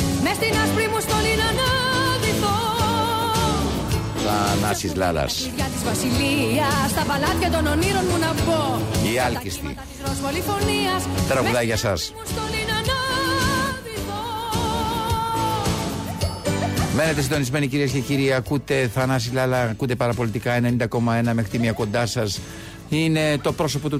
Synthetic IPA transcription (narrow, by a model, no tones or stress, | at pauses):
mest̪inɐspɾimust̪olinɐnɐðiθo | θɐnɐsizlɐ̰lɐ̰sʝɐt̪izvɐsiliɐst̪ɐvɐlɐt̪çɐt̪o̞noniɾo̞nmunɐpo̞iɐlcist̪ḭ | t̪ɾozvolifo̞niɐst̪ɾɐɣuðɐʝɐsɐs | st̪olinɐno | me̞ne̞t̪esind̪onizme̞niciɾiesce̞ciɾieɐkut̪e̞θɐnɐsizlɐlɐkut̪e̞pɐɾɐpo̞lit̪ikɐe̞ne̞nind̪ɐko̞mɐe̞nɐme̞xɾit̪imiɐko̞nd̪ɐsɐs | ine̞t̪o̞pɾo̞s̬o̞po̞t̪u